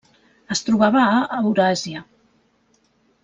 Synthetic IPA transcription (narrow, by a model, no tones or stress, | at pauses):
əst̪ɾuβ̞aβəːwɾaziə